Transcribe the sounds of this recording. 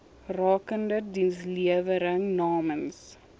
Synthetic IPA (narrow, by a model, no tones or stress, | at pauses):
rɑːkəndədinsliəvəɾəŋnɑːməns